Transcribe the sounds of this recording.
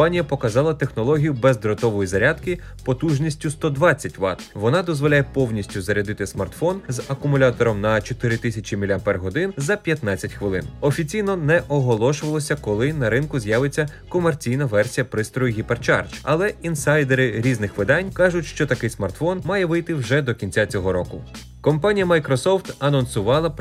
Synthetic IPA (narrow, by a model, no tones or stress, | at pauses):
ɑnʲijɐpɔkɐzɑlˠɐt̪e̞xnɔlˠɔɦʲijʊbɛzd̪ɾɔt̪ɔʋɔjizɐɾʲad̪kɪ | pɔt̪uʒnʲisʲtʲʊst̪ɔd̪ʋɑt͡sʲːɐtʲʋɑ̰t̪ʋɔnɑd̪ɔzʋɔlʲajɛpɔwnʲisʲtʲʊzɐɾʲɐd̪ɪt̪ɪsmɐrt̪fɔnzɐkʊmʊlʲat̪ɔɾɔmnɐt͡ʃɔt̪ɪɾɪt̪ɪsʲɐt͡ʃʲimʲilʲɐmpɛrɦɔd̪ɪnzɐpʲjɐt̪nɑt͡sʲɐtʲxʋɪlˠɪ̰nɔfʲit͡sʲijnɔnɛʔɔɦɔlˠɔʃʊʋɐlˠɔsʲɐkɔlˠɪnɐɾɪnkʊzjaʋet͡sʲːɐkɔmert͡sʲijnɐʋɛrsʲijɐpɾɪst̪ɾɔjʊɦʲipert͡ʃɑ̰rt͡ʃɐlˠɛinsɑjd̪eɾɪɾʲiznɪxʋɪd̪ɑnʲkɑʒʊtʲʃt͡ʃɔt̪ɐkɪjsmɐrt̪fɔnmɑjɛʋɪjt̪ɪwʒɛd̪ɔkʲinʲt͡sʲat͡sʲɔɦɔɾɔkʊ | kɔmpɑnʲijɐmɐjkɾɔsɔft̪ɐnɔnsʊʋɑlˠɐ